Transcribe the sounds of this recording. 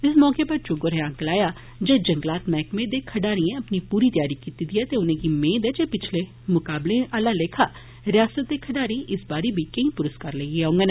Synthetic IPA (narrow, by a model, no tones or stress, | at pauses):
ɪsmɔːkeːpəɾt͡ʃʊɡoɾeãːɡlaːjaː | d͡ʒeːd͡ʒəŋɡlaːt̪mɛːkmẽːd̪eːkʰəɖaːɾiẽəpniːpuːɾiːt̪jaːɾiːkiːt̪iːd̪iɛːt̪eːʊnẽːɡiːmẽːd̪ɛːd͡ʒeːpɪt͡ʃʰleː | mʊkaːblẽːʔaːlaːleːkʰaː | ɾɪjaːsət̪̚d̪eːkʰəɖaːɾiːʔɪsbaːɾeːbʱiːkə̃ĩːpʊɾəskaɾleɡiaːʊ̃ŋɡeːne